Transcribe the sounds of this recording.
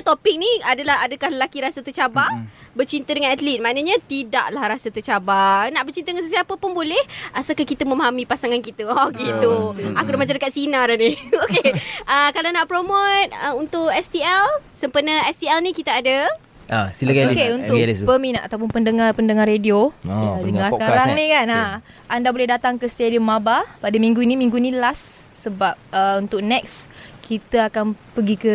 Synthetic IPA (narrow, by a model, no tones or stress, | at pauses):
t̪opik̚niadəlahadəkahləlakiɾasət̪ət͡ʃababərt͡ʃint̪ədəŋanat̪lit̪̚manəɲat̪idaʔlahrasət̪ət͡ʃabanaʔbərt͡ʃint̪ədəŋansəsiapəpʊnbolɛhʔasakahkit̪əməmaɦamipasaŋankit̪əket̪uakudamat͡ʃãndəkat̪̚sinadaniokeəkalanaʔpɾomot̪̚əunt̪ʊkɛst̪iɛlsəmpərnaɛst̪iɛlnĩkit̪aada | asiləkokeunt̪ʊpəmĩnaa̰t̪awpʊnpəndəŋarpəndəŋarediojadəŋaskaɾaŋnĩkana | ʔandabolɛhdat̪aŋkəst̪ediɔmːabapadəmĩŋɡuinimiŋɡuinilasːəbap̚əunt̪ʊk̚nɛk̚skʰit̪əakanpəɡikə